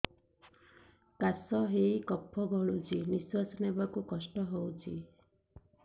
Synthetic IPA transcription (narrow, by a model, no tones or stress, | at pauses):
kasɔɦeikɔpʰːɔbɔɭut͡ʃʰiniswasɔnebakukɔsʈɔɦowt͡ʃʰi